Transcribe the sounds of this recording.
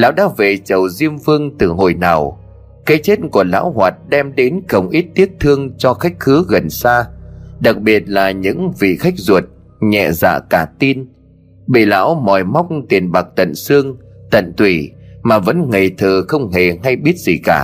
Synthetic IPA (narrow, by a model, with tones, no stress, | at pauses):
la̰ː˧˥wɗaː˧˥ve˨˩t͡ɕə˨˩wzi˧əmvɨ˧əŋt̪ɨ˨˩ɦo̰˧˨˩jnaː˨˩w | ka˨˦t͡ɕe˦˥t̚ku˧˩əla̰ː˧˥wɦwaː˨˩t̚ɗɛ˧mɗe˨˦nkə˨˩wŋ͡mʔi˦˥t̚t̪i˦˥əp̚t̪ʰɨ˧əŋt͡ɕɔ˧xa˦˥jk̟̚xɨ˨˦ɣə˨˩nsaː˧ɗa˨˩k̚ɓi˨˩ət̚laː˨˩ɲɨ̰˧˥ŋvḭ˧˨xa˦˥jk̚zu˨˩ət̚ | ɲɛ̰˧˨za̰ː˧˨kaː˧˩t̪i˧n | ɓḭ˧˨la̰ː˧˥wmɔ˨˩jma˦˥wk͡p̚t̪i˨˩ənɓa˨˩k̚t̪ə̰˧˨nsɨ˧əŋt̪ə̰˧˨nt̪ʰwi˧˩maː˨˩və̰˧˥nŋe˨˩jt̪ʰəː˨˩xə˧wŋ͡mɦe˨˩ɦa˧jɓi˦˥ət̚z̥i˨˩kaː˧˩